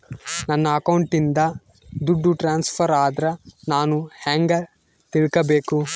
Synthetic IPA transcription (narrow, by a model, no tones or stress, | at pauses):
nɐnːɐːkɐwɳʈind̪ɐ | d̪uɖːuʈɾaːnspʰɐɾaːd̪ɐɾɐnaːnuhaŋɡɐ | t̪iɭkɐbeːku